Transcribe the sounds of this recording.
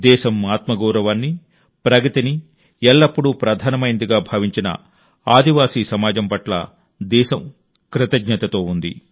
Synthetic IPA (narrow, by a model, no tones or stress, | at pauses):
d̪ɛːʃɐmaːt̪mɐɡɔːɾɐʋaːnːi | pɾɐɡɐt̪ini | ɛɭːɐpːuɽupɾɐd̪ʱaːnɐmɐjnd̪iɡaːbʱɐʋiɲt͡ʃinɐ̰ | aːd̪iʋaːsiːsɐmaːd͡ʒɐmpɐʈlɐ̰ | d̪ɛːʃɐm | kɾɪt̪ɐɡɲɐt̪ɐt̪o̞ːund̪ḭ